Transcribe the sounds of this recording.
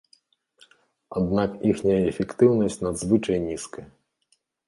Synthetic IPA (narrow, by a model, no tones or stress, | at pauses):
ad̪̚nakixnʲɐjɐɛfʲɛkt̪ɨwnɐsʲt͡sʲnad̪zvɨt͡ʂɐjnʲiskɐj